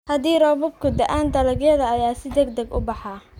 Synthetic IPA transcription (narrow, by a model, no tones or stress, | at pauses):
hɐd̪iːrɔːβɔbkʰʊd̪ɐʔaːnd̪ɐlɐɣjɛðɐːjaːsɪd̪ɛɡd̪ɛɡʊ̰bɑħɑ